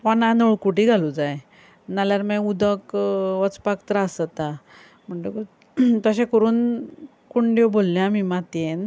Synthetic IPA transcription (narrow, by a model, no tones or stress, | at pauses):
panãnoɭkuʈiɡʱalud͡zaj | naljaɾmãud̪ʱəkʋət͡spakt̪ɾaːsət̪a | m̤əɳʈeku | t̪əɕẽkəɾuːn | kuɳɖjobolːãmimat̪ẽn